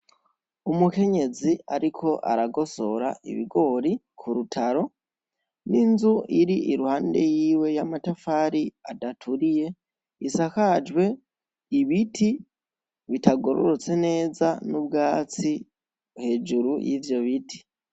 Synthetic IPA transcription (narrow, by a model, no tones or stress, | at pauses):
umuke̞ɲe̞zia̰ɾikʰo̞ʔa̰ɾaɡo̞so̞ɾa̰ʔḭβḭɡo̞ɾi | kʰuɾutʰaɾo̞ | ninzuiɾiʔiɾuhaːnde̞̰jiːwe̞jamatafaɾiadatʰuɾije̞ | isakad͡ʒwe̞ | iβitʰi | βitaɡo̞ɾo̞̰ɾot͡se̞ne̞ːzanubɡaːt͡si | uhe̞d͡ʒuɾujḭvjo̞βitʰi̥